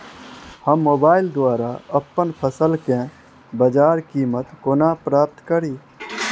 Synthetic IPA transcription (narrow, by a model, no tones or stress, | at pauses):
həmːoːbaːɪld̪waːɾaəpːənpʰəsəlkẽ | bəd͡ʒaːɾkiːmət̪koːnapɾaːp̚t̪kəɾi